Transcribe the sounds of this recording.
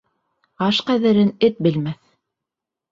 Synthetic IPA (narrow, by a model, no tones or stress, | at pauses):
ɑʃqæðɘ̆ɾɘnɘt̪̚bɘ̆lmæθ